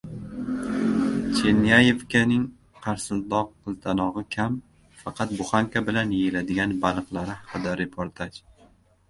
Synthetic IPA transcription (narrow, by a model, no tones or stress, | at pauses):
t͡ʃʰe̞nijaje̞vkʲanɪŋ | qʰɑɾsɪlt̪lɒqːɨzd̪ʰanɒʁɨkʲʰam | fɑqʰɑt̪̚bʊχaŋkʲʰabɪlanjejɪlad̪ɪɡʲanbalˠɨqlˠaɾɪhɑqɨd̪aɾe̞pʰoɾt̪ʰat͡ʃ